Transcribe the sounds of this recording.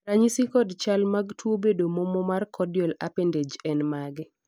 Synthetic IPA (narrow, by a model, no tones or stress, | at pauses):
raɲisikɔdt͡ʃalmaɡtʰwobedomomɔmarkʰɔdjɔlapended͡ʒɛnmaɡɪ